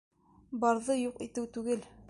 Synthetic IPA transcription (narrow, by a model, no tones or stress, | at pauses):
bɑɾðɤjuqit̪ɘwt̪ʉɡɘl